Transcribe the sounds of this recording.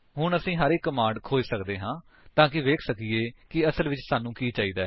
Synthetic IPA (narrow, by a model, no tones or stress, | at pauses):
ɦʊɳəsĩːɦəɾekːəmãːɳɖkʰoːd͡ʒsəkd̪eːɦãː | t̪ãːkɪʋeːkʰsəkiːeːkɪəsəlʋɪt͡ʃsaːnũːkiːt͡ʃaːiːd̪aːɛ